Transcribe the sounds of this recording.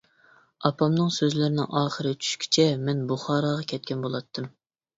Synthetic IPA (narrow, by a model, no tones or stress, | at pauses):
ɑpʰɑmnɨŋsøzlɪɾɪnɪ̰ŋʔɑːχəɾɨt͡ʃʰy̥ʃkʲʰi̥t͡ʃʰɛmɛnbuχɑːɾɑʁɑkʲʰɛt̪̚kʲɛnbolˠɑt̪ʰːɨm